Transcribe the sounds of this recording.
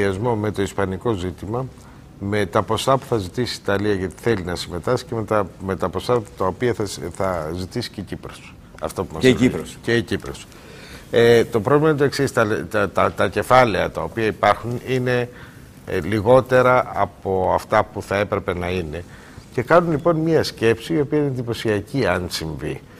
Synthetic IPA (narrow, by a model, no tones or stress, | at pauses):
iɐzmo̞me̞t̪o̞ispɐniko̞zit̪imɐ | me̞t̪ɐpo̞sɐpu̥θɐzit̪isi̥ːt̪ɐliɐʝɐt̪i̥θe̞linɐsime̞t̪ɐsi̥cemet̪ɐme̞t̪ɐpo̞sɐt̪ɐopiɐɐθɐzit̪isi̥cecipɾos | ɐ̰ft̪opumɐsiɾceicipɾo̰s | et̪o̞pɾo̞vlimɐt̪oe̞ksist̪ɐlt̪ɐt̪ɐce̞fɐle̞ɐt̪ɐo̞piɐipɐɾxunine̞ | liɣo̞t̪e̞ɾɐʔɐpo̞ɐft̪ɐpuθɐe̞pɾe̞pe̞nɐine̞ | ce̞kɐnunlipo̞nmiɐsce̞psiːo̞piɐineðipo̞siɐciɐnsiɱvi